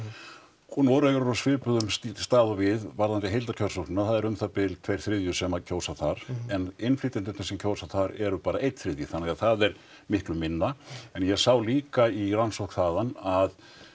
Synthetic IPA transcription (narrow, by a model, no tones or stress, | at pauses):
unɔɾɛɣʏɾɾasvɪɾpʏðʏmst̪aːðavɪðvaɾðant̪ɪɦejlt̪ḁcʰœɾsɔknɪnaθaðɛɾʏmθapɪlt̪ʰvejɾ̥θɾɪðjʏsɛmacʰoːwsaθaɾ̥ɛnɪnfliːt̪ɪnt̪ɪnt̪ɪsɛmcʰoːwsaθaɾɛɾʏpaːɾaʔejt̪θɾɪðjʏθanːɛɣaθaðɛɾ̥ | mɪhklʏmːɪnːaɛnjɛɣsawliːkaiɾansɔ̥kθaːðanað